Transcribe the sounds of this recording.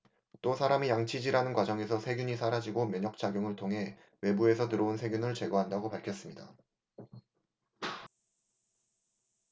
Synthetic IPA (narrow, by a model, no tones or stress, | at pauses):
t͈osʰaɾamijaŋt͡ɕʰid͡ʑiɾanɯnkwad͡ʑʌŋe̞sʰʌsʰe̞ɡʲjuɲisʰaɾad͡ʑiɡomjʌɲʌk̚t͡ɕ͈aɡjoŋɯɭtʰoŋɦe̞ | we̞bue̞sʰʌtɯɾʌunsʰe̞ɡjunɯɭt͡ɕe̞ɡʌɦandaɡopaɭkʰjʌs͈ɯmɲida̰